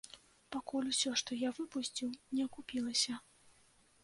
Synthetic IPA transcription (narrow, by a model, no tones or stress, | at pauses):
pakulʲusʲɔʂt̪ɔjavɨpusʲt͡sʲiwnʲɛɐkupʲilˠɐsʲɐ